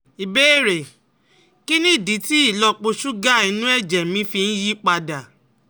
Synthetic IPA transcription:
i˨be˦e˦˨ɾe˨ | ki˦nĩ˦˨di˨˦ti˦i˦˨lɔ˧k͡po˧ʃu˦ɡa˦˨i˧nũ˦ɛ˦˨d͡ʒɛ˨mĩ˧˦fi˧n̩˦ji˦k͡pa˧da˨

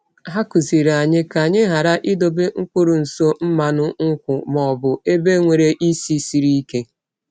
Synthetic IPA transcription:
ɦa˦kʊ˨zi˨ɾa˨ɲɪ˦ka˨ɲɪ˦ɦa˨ɾa˦ʔɪ˦do˨be˦ŋ̩˦kʷʊ˦ɾʊ˨n̩˨so˦m̩˦ma˨nʊ˦ŋ̩˦kʷʊ˨mɔ˨bʊ˨e˦be˦ŋʷe˨ɾe˦ʔi˦si˦si˨ɾi˦i˦ke˦

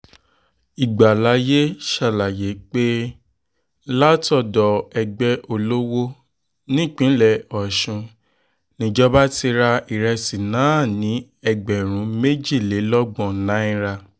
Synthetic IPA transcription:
i˨ɡ͡ba˨la˨˦je˦ʃa˦˨la˨je˨˦k͡pe˦ | la˦tɔ˦˨dɔ˨ɛ˧ɡ͡bɛ˧ʔo˧lo˦wo˦ | nĩ˦˨k͡pĩ˨˦lɛ˨ɔ˨ʃũ˧ | nĩ˧d͡ʒɔ˦ba˦ti˧ɾa˧i˨ɾɛ˧si˨nã˨˦˨nĩ˨˦ | ɛ˨ɡ͡bɛ˨ɾ̃ũ˨˦me˦d͡ʒi˦˨le˨˦lɔ˦ɡ͡bɔ̃˦˨nã˨˦ĩ˦ɾa˧

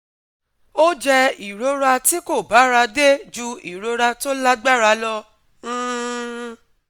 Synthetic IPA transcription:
o˦d͡ʒɛ˧i˨ɾo˨˧ɾa˧ti˦ko˦˨ba˨˦ɾa˧de˦d͡ʒu˧ḭ˨ɾo˨˧ɾa˧to˦la˦ɡ͡ba˦ɾa˧˦lɔ̃˧˦˧

